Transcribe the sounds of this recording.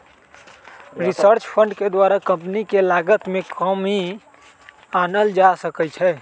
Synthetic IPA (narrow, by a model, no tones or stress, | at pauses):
ɾisəɾt͡ʃpʰə̃ɳɖked̪waɾakə̃mpnikelaɡət̪mẽkʰɔmɦi | anəld͡ʒasəkət͡ʃʰɛ